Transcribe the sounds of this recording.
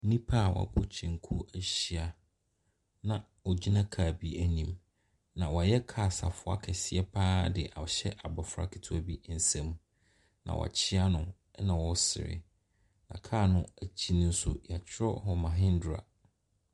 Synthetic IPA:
nĩ˦pʰa˦˨wɔ̰˨pʰʊ˦t͡ɕʰɛ̃˨ŋ˨kʰu˦æ˦ɕi˦a˨ | nã˨ | ɔ˨d͡ʑi˦nã˦kʰaː˨bi˦æ˨nĩ˨m | nã˨wɔ˨jɛ˦kʰa˦˨sa˨fʊ˦a̰˦kʰɛ˨sɪ˦ɛ˦pʰaː˦dɪ˨ʔa˨ɕɛ˦ʔa˨bɔ˨fɾa̰˦kʰi˨tʰu˦a˨bi˦n̩˨sɛ̃˦m | nã̰˨wʔɔ̰˨t͡ɕʰɪ˦a˦nʊ̃˦ | nã˨wɔ˦sɪ̰˨ɾɪ̰˨ | nã̰˨kʰaː˦˨nʊ̃˦æ˨t͡ɕʰi˦nʊ̃˦n̩˦sʊ̰˦ja˨t͡ɕʰɪ˦ɾɔ˦ɦɔ˨mã˨ɦɪ̃˦n̩˦dʊ˨ɾa̰˨

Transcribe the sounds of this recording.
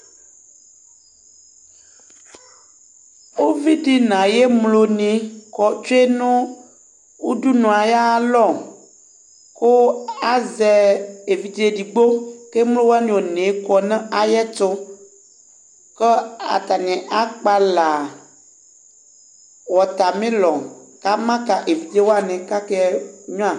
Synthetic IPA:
wo˦vi˦ɖi˦nã˨jɛ˦mlo˨nĩ˨kɔ˨t͡ʃo˦e˦nũ˦ | wu˦ɖu˦nũ˨a˨ja˦lɔ˦˨ | ko˦a˦zɛ˨e˨vi˨d̪e˨ɖi˨ɡ͡bo˦ke˦mlo˦wo˦a˦nĩ˨wo˨nẽ˨˦kɔ˦nɛ̃˦a˨jɛ˦t̪o˦ | kɛ˦a̰˨t̪a˨ɲɛ̃˨ʔa˦k͡pa˦la˨ | wɔ˨t̪a˨mẽ˦lɔ˨ka˦mã˦ka˨ʔe˨vi˨d̪e˦wo˦a˦˨nɛ̃˨ka˦kɛ˦ɲɔ̃˦a˨

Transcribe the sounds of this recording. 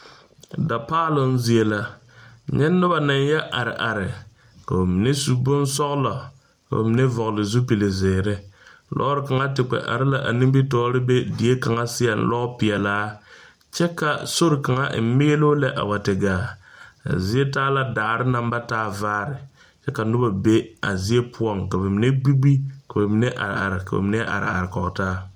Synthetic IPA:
da˨paː˦lʊ˦n̩˦zi˨e˦la˦ | ɲɛ˦nːʊ˦ba˨na˨n˦jɛ˦ʔa˨ɾɪ˨ʔa˨ɾɪ˨ | ka̰˨o˨mi˨ne˦su˨bʊ˦nsɔ˦ɣla˨ | ka̰˨o̰˨mi˨ne˦vɔ˨ɣlɪ˨zu˦pi˨lɪ˨zɪː˨ɾɪ˦lɔ̰˦ɾɪ˨ka˨ŋa˦tɪ˨k͡pɛ̰˨ʔa̰˨ɾɪ˦la˨ʔa̰˨nĩ˦mbi˦tɔː˦ɾɪ˦be˦di˨e˦ka˨ŋa˦sɪ˦ja˨n̩̰˦lɔ˦pɪ˨ɛ˨laː˦ | t͡ʃɛ˦ka˨so˦ɾɪ˨ka˨ŋa̰˦ʔɪ˦m˦mɪ˦lo˦lɛ˦ʔa̰˨wa˨tɪ˨ɡaː˨a̰˨zi˦e˦taː˦la˦daː˨ɾɪ˦na˦mba˦taː˦vaː˦ɾɪ˨ | t͡ʃɛ˦ka˨nʊ˦ba˨be˦a̰˨zi˦e˦pʰʊ˦ɔ˦˨ŋka˨bɪ˨mɪ˨ne˦ɡ͡bi˦ɡ͡bi˦ka˨bɛ˨mi˨˦nɛ˦ʔa̰˨ɾa̰˨ɾɪ˨ka˨bɛ̰˨mɪ˦nɛ˦ʔa̰˨ɾ̰a̰˨ɾɪ˨kɔ˨ʔtaː˦

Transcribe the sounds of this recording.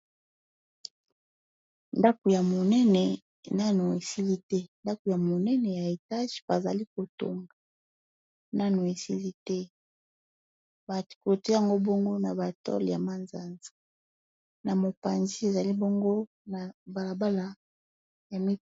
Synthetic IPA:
nda˦ko˨ja˨mo˨nɛ˦nɛ˨ | na˦no˨e˨si˦li˦tɛ˦nda˦ko˨ja˨mo˨nɛ˦nɛ˨ja˨e˨ta˦ʒi̥˨b̥a˨za̰˨li˦ko˨to̰˨ŋɡa˨ | na˦no˨e˨si˦li˦tɛ˦ | ba˨tko˨te˦ja˨ŋɡo˦bo˦ŋɡo˦na˨ba˨tɔ̰˦lja˨ma˦nza˨nzḁ˨ | na˨mo˨pa˨nzi˦e˨za˨li˦bo˦ŋɡo˦ | na˨ba˨la˨ba˦la˨ | ja˨mi˦

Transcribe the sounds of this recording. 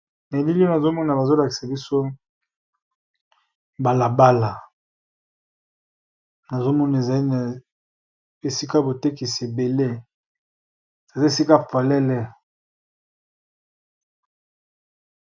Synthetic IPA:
ne˨li˦li˦o˦na˨zo˦mɔ˦na˨ba˨zo˦la˨ki̥˨sa˨bi˦so˦ | ba˨la˨ba˦la˨ | na˨zo˦mɔ˦na˨e˨za˨li˦na˨ | e˨si˦ka˦bo˨te˦ki˨si˨e˨be˨le˦ | e˨za˨zi˦e˦˨si˦ka˦pa˨lɛ˦lɛ˦

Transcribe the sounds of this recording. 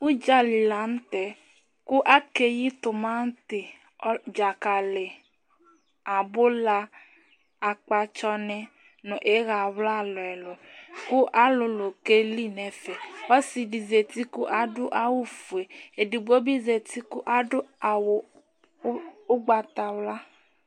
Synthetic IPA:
u˦d͡ʒa˦li˨la˨˦n̩˦tɛ˨ | kʊ˦ʔa˦ke˦ji˦t̪ʊ˨mã˦n̩˦tɪ˨˦ | d͡ʒa˨ka˨lɪ˨ | a˨bʊ˦la˧ | a˨k͡pa˧t͡ʃɔ˧nɛ˦ | nʊ̃˨ʔe˨˦ɣa˨wla˦˨lɔ˨ɛ˨lʊ˨kʊ˦ʔa˦lʊ˨lo˨ke˦li˦˨nɛ˨˦fɛ˨ɔ˦si˨di˨ze˨t̪i˦kʊ˦ʔa˨dʊ˦ʔa˦wu˦fu˨e˨e˨di˨ɡ͡bo˦bi˦ze˨t̪i˦kʊ˦ʔa˨dʊ˦a˨wʊ˨˦ | ʊ˦ɡ͡ba˨t̪a˨wla˦

